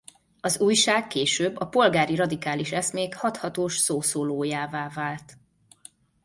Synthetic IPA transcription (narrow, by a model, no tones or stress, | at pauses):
ɒzuːjʃaːkkeːʃøːbːɒpo̞lɡaːɾirɒd̪ikaːliʃɛsmeːkhɒt̪hɒt̪oːʃsoːsoːloːjaːvaːvaːlt̪